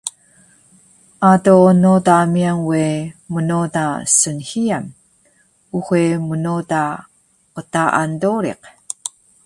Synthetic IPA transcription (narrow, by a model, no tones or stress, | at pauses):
ʔatonotamiaŋwemənotasənhiam | uxʷemənota | qətaʔa̰ndoɾḭq